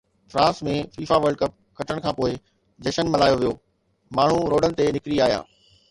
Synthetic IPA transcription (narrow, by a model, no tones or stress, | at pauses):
fɾãːsmẽfiːfaʋɐɾɖ̚kɐp̚kɐʈəɽ̃kʰãːpoːɪ | d͡ʑɐʃənmɐlaːjoʋijoː | maːɳ̤uɾoːɖənɪ̆t̪enɪkɾiaːɦija̰ː